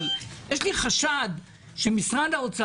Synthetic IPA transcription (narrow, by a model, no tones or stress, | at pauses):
jɛʃliχaʃad̪ | ʃemisʁandaot͡sa